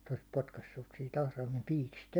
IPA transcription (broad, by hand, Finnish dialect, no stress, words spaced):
se olis potkɑsːus sit ɑhrɑimem piːkist